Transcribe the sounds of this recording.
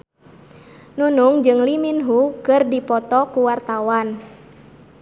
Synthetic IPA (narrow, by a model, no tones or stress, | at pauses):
nunuŋd͡ʒɨŋliminɦukɨrdipɔt̪ɔkuwart̪awan